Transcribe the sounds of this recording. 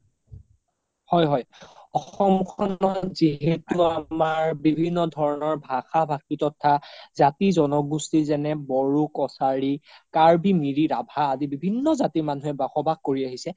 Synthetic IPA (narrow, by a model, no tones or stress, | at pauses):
hɔjɦɔjɔxɔmkʰɔnɔziɦetuamaɹbibʱinːɔdʱɔɹɔnɔɹbʱaxabʱakkitɔtʰːazatizɔnɔɡustizɛnɛbɔɹukɔsaɹikaɹbimiɹiɹabʱaːzibibʱinːɔzatimanuɦɛbaxɔbʱakkːoɹiaɦisɛ